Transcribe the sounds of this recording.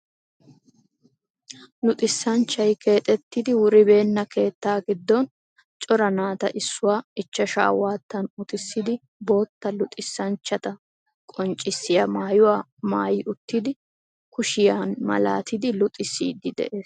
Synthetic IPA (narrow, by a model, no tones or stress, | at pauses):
lʊt̪ʼɪsːɐnt͡ʃːɐjkʰe̞ːt̪ʼɛt̪ːɪd̪ɪwʊɾɪbe̞ːnːɐke̞ːt̪ːaːɡɪd̪ːɔn | t͡ʃʼɔɾɐnaːt̪ɐ̰ʔɪsːʊwaːɪt͡ʃːɐʃa̰ːwaːt̪ːɐnʊt̪ʼɪsːɪd̪ɪ | bo̞ːt̪ːɐlʊt̪ʼɪsːɐnt͡ʃːɐt̪ɐ | kʼɔnt͡ʃʼɪsːɪjamaːjʊwaː | maːjɪʔʊt̪ːɪd̪ɪ | kʊʃɪjaːnmɐ̰la̰ːt̪ɪd̪ɪlʊt̪ʼɪsːiːd̪ɪd̪ɛ̰ʔe̞ːs